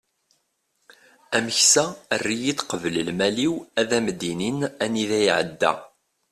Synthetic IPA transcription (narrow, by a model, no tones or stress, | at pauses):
æməçsæərːijid̪qəvələlmæliwæðæmd̪ininæniðæjiʕə̰d̪ːæ̰